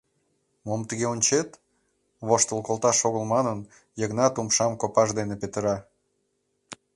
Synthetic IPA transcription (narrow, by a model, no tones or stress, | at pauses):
momt̪əɣeonʲt͡ɕet̪ | βoʃt̪əlˠkolˠt̪ɑʃoɣəlmɑnən | jəɣnɑt̪umʃɑmkopɑʒd̪enepet̪əɾɑ